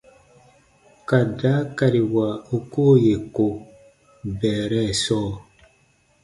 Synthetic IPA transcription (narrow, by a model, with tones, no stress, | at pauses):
ka˨da˨˦ka˨ɾi˨wa˨o˨ko˦je˨ko˨ | bɛ˨ɾɛ˦˨sɔː˦˨